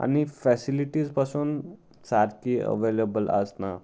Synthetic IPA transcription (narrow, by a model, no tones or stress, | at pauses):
a̰ñifɛsiliʈiːd͡zpasuːn | saɾkiə̰ʋelebələ̰sna